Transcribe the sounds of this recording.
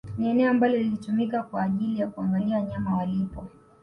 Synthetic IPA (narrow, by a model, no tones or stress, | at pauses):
niɛnɛɔambalɔilitumikakwaːʄilijakuaŋɡaliawaɲamawalipɔ